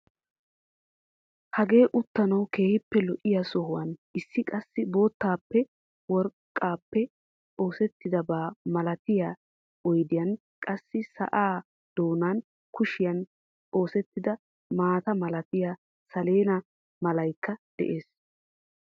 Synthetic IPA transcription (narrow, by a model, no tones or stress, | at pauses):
hɐɡe̞ːʔʊt̪ːɐnɐwke̞ːhɪpːɛlɔʔɪjasɔhʊwɐnʔɪsːɪkʼɐsːɪbo̞ːt̪ːaːpːɛ | wɔɾkʼːaːpːɛ | o̞ːsɛt̪ːɪd̪ɐbaːmɐlɐt̪ɪjaː | ɔjd̪ɪjɐn | kʼɐsːɪsɐ̰ʔaː | d̪̥oːnaːn | kʊʃɪjɐn | o̞ːsɛt̪ːɪd̪ɐ | maːt̪ɐmɐlɐt̪ɪjaː | sɐle̞ːnɐ | mɐlɐjkːɐd̪̥ɛ̰ʔe̞ːs